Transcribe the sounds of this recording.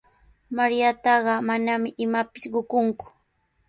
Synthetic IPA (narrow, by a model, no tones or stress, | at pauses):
maɾjat̪ɑɢɑmanamɪʔɪmapɪsɢʊkʊŋkʊ̥